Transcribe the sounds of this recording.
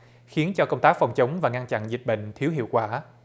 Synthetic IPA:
xi˨˦ənt͡ɕɔ˧kə˧wŋ͡mt̪aː˦˥k̚fa˨˩wŋ͡mt͡ɕə˨˦wŋ͡mvaː˨˩ŋa˧nt͡ɕa̰˧˨nzi˨˩k̟̚ɓə̰˧˨jŋ̟t̪ʰi˨˦əwɦḭ˧˨əwkwaː˧˩

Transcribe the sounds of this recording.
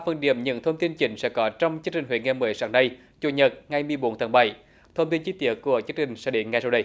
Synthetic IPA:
a˧fə˧nɗḭ˧˩əmɲɨ̰˧˥ŋt̪ʰə˧wŋ͡mt̪i˧nt͡ɕï˨˩˦ŋ̟sɛ̰˧˥kɔ˨˦t͡ɕɔ˧wŋ͡mt͡ɕɨ˧˦˥k̚t͡ɕï˨˩ŋhwḛ˧˨˦ŋɛ˧˩məː˨˦jsaː˧˨˥ŋɗa˧j | t͡ɕu˧˩ɲə˨˩t̚ŋa˨˩jmɨ˨˩əjɓo˨˦nt̪ʰaː˨˦nɓa˧˩j | t̪ʰə˧wŋ͡mt̪i˧nt͡ɕi˨˦t̪i˧˨əku˧˩ət͡ɕɨ˨˦˥k̚t͡ɕï˨˩ŋ̟sɛ̰˧˥ɗḭ˧˩nŋa˨˧˩jzaː˧wɗə˧˩j

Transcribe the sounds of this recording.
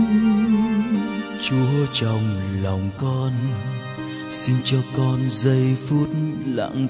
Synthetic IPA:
t͡ɕu˧˦həː˧t͡ɕa˨˩wŋ͡mla˨˩wŋ͡mkɔ˧n | si˧nt͡ɕɔ˧kɔ˧nzə˧jfɨ˦ət̚la̰ː˧˥ŋ

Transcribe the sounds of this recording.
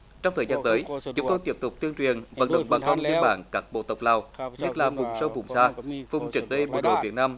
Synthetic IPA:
t͡ɕɔ˧wŋ͡mt̪ʰəː˨˩zaː˧nt̪əː˨˦jt͡ɕʊ˨˦ŋ͡mt̪o˧jt̪i˦˥p̚t̪ʊ˨˩k͡p̚t̪i˧ənt͡ɕwi˨˩ənvə̰˧˥nɗə̰˧˨wŋ͡mɓaː˨˩ŋkə˧nli˧ənɓa̰ː˧˩nkaː˦˥k̚ɓo̰˧˨t̪ə˨˩wk͡p̚laː˨˩wɲə˦˥t̚laː˨˩vʊ˨˩ŋ͡msə˧wvʊ̰˨˩ŋ͡msaː˧vʊ˨˩ŋ͡mt͡ɕɨ˨˩k̚ɗə˧jɓo̰˧˩ɗo̰˧˨˩vi˨˩ət̚naː˧m

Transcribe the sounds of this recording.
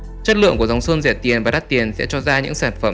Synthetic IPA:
t͡ɕə˦˥t̚lɨ̰˧˨əŋku˧˩əza˨˦wŋ͡msə˧nzɛ̰˧˩t̪i˨˩ənvaː˨˩ɗa˦˥t̪i˨˩ənsɛ̰˧˥t͡ɕɔ˧zaː˧ɲɨ̰˧˥ŋsaː˧˩nfə˧˩m

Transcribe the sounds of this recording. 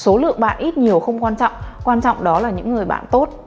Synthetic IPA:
so˨˦lɨ̰˧˨əŋɓa̰ː˧˨nʔi˦˥t̚ɲi˨˩əwxə˧wŋ͡mkwaː˧nt͡ɕɔ̰˧˨wŋ͡mkwaː˧nt͡ɕɔ̰˧˨wŋ͡mɗɔ˨˦laː˨˩ɲɨ̰˧˥ŋːɨ˨˩əjɓa̰ː˧˨nt̪o˦˥t̚

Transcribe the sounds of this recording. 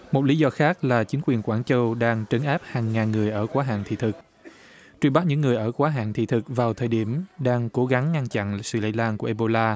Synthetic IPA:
mo˨˩t̚li˨˦zɔ˧xaː˦˥k̚laː˨˩t͡ɕï˨˦ŋ̟kwi˨˩ənkwaː˧˩nt͡ɕə˧wɗaː˧ŋt͡ɕə˨˦nʔaː˦˥p̚haː˨˩ŋːaː˨˩nŋɨ˨˩əjʔəː˧˩kwaː˨˦ɦa̰ː˧˨ŋt̪ʰḭ˧˨t̪ʰɨ˨˩k̚ | t͡ɕwi˧˩ɓa˦˥t̚ɲɨ̰˧˥ŋːɨ˨˩əjʔəː˧˩kwaː˨˦ɦa̰ː˧˨ŋt̪ʰḭ˧˨t̪ʰɨ˨˩k̚vaː˨˩wt̪ʰəː˨˩jɗi˧˩əmɗaː˧ŋko˨˦ɣa˨˦ŋːa˧ŋt͡ɕa̰˧˨nsɨ̰˧˨lə̰˧˥laː˧˩nku˧˩ʔe˧ɓo˧laː˧

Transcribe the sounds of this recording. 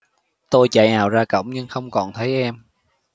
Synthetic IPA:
t̪o˧jt͡ɕa̰ː˧˨jnaː˨˩wzaː˧kə̰˧˥˨wŋ͡mɲɨ˧ŋxə˧wŋ͡mkɔ˨˩nt̪ʰə˨˦jʔɛ˧m

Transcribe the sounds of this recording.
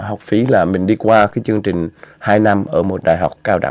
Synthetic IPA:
hɔ˨˩wk͡p̚fi˨˦laː˨˩mï˨˩ŋ̟ɗi˧kwaː˧kaː˨˦jt͡ɕɨ˧əŋt͡ɕï˨˩ŋ̟haː˧jna˧mʔəː˧˩mo˨˩t̚ɗa̰ː˨˩jɦa˨˩wk͡p̚kaː˧wɗa̰˧˩

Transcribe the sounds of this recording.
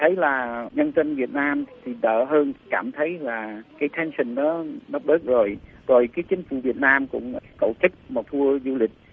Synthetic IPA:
t̪ʰə˨˦jlaː˨˩ɲə˧nzə˧nvi˨˩ət̚naː˧mt̪ʰi˨˩ɗə̰ː˧˨ɦəː˧nkaː˧˩mt̪ʰə˨˦jlaː˨˩kaː˨˦jt̪ʰɛ˨˦nsï˨˩ŋ̟ɗɔː˨˦ɗə˦˥k͡p̚ɗəː˦˥k̚zo˨˩jzo˨˩jkaː˨˦jt͡ɕï˨˦ŋ̟fṵ˧˩vi˨˩ət̚naː˧mkʊ̰˧˥ŋ͡mkə̰˧˨wt͡ɕɨ˦˥k̚mɔ˨˩t̪ʰu˧əzu˧lï˨˩k̟̚

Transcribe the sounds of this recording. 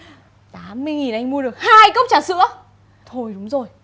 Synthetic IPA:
t̪aː˨˦mːɨ˧əjŋi˨˩nʔa˧jŋ̟mu˧əɗɨ˨˩ək̚haː˧jkə˦˥wk͡p̚t͡ɕaː˧˩sɨ̰˧˥ə | t̪ʰo˧˩jɗʊ˨˦ŋ͡mzo˨˩j

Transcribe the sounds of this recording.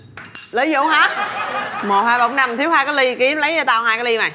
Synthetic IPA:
lə˨˦jzo̰˧˥˦wɦaː˨˦˥ | mo˨˩t̚haː˧jɓa˧˩˦wŋ͡mna˧mt̪ʰi˨˦whaː˧jkɔː˨˦jli˧ki˨˦əmlə˨˦ja˧t̪aː˧wɦaː˧jkaː˨˦li˧maː˨˩

